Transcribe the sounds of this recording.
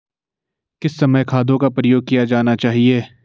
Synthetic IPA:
kɪsːɐməjkʰaːd̪õkapɾɐjoːɡ̚kijad͡ʒaːnat͡ʃaːɦieː

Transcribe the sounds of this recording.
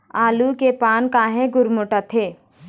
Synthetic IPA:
aːlukepaːnkaːɦẽɡʊɾmoʈat̪ʰeː

